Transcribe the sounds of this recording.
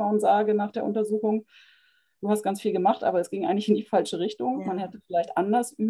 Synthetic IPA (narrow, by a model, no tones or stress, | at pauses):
aʊnzaːɡənaːχd̥eːɐʔʊntɐzuːxʊŋ | d̥uːhast̚ɡ̥ant͡sfiːlɡəmaχtʔa̰ːbɐɛsɡ̥ɪŋʔaɪɡŋ̩tlɪçɪndiːfalʃəʁɪçtʊŋmanhɛtəfɪlaɪçtʔandɐsyː